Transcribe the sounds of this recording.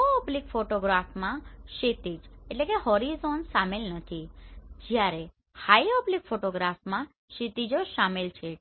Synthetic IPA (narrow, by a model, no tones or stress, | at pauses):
oɔblikfoʈoɡɾafmãʃet̪id͡ʒeʈlekeɦɔɾizonsamelnət̪ʰid͡ʒjaɾe | hajɔblikfoʈoɡɾafmã | ʃit̪id͡ʒoʃamelt͡ʃʰe